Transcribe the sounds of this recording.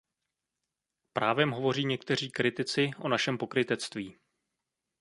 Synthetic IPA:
pɾaːvɛmɦo̞vo̞riːɲɛkt̪ɛr̝iːkɾɪt̪ɪt͡sɪʔo̞naʃɛmpo̞kɾɪt̪ɛt͡st̪viː

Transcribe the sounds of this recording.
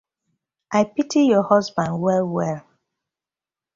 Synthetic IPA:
ʔajpitʰijɔhɔsbãndwɛlwɛl

